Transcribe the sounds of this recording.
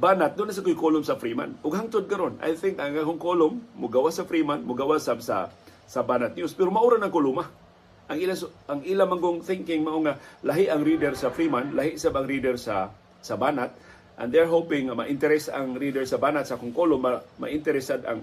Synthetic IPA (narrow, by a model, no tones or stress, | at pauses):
baːnat̪̚d̪ʊnas̬akʊjkolʊmsɐfɾima̰nʔʊɡhaŋt̪ʊd̪̚kɐɾona̰jθɪŋkaakʊŋkolʊmːʊɡawasɐfɾiːmanmʊɡawasabsa̰ | sɐbaːnat̪̚niospɛɾomaʔuɾanɐŋkʊluma | ʔaŋilasaŋilamaŋɡʊŋθɪŋkɪŋmaʔoŋalɐɦɪʔaŋɾid̪ɛɾsɐfɾiːmanlaɦɪʔsabɐŋɾid̪ɛɾsa | sɐbaːnat̪̚ | ʔã̰nd̪ɛɹɦopɪŋːamɐʔɪnt̪ɛɾɛsa̰ŋɾiːd̪ɛɹsɐbaːnat̪sakʊŋkolʊmːama̰ʔɪnt̪ɛɾɛsad̪a̰ŋ